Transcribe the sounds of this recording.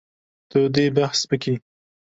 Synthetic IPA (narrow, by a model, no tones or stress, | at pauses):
t̪od̪ebahsbəki